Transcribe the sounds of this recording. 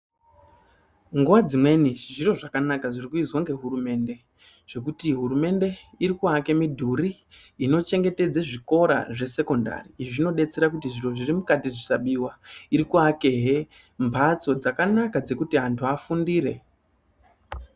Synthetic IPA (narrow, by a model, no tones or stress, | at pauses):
ŋɡuʋad͡zimwe̞niʐiro̞ʐakanakaʐirikuizwaŋɡe̞ɦurume̞ːnde̞ | ʐ̥e̞k̬utiɦuɾume̞nde̞iɾikuake̞midʱuriː | no̞t͡ʃe̞ŋɡe̞te̞d͡zaʐiko̞ɾa̰ʐe̞se̞ko̞nda̰riːiʐino̞ɗe̞t͡seɾakutiʐiro̞ʐirimukatiʐisaɓiwaiɾikuakeɦe | mbʰʱat͡so̞d͡zakanakad͡ze̞kutiɦantʰuafundiːɾe̞